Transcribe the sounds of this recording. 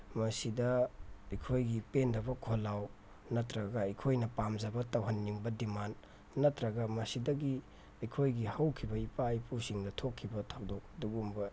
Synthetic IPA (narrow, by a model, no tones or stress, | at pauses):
mɐsidɐɐjkʰojɡipendɐbɐkʰolːaw | nɐtɾɐɡɐːjkʰojnɐpamzɐbɐtɐwɦɐnːiŋbɐdimanː | ɐtɾɐɡɐmɐsidɐɡi | ɐjkʰojɡihɐwkʰibɐipajpʰusiŋdɐtʰokʰːibɐtʰawdok̚duɡumbɐ